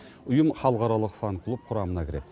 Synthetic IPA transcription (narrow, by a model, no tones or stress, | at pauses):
ʊjəmχɑlˠqɑɾɑlˠəqfɑnkʰlˠup̚qʰʊɾɑmənɑkʲɪɾet̪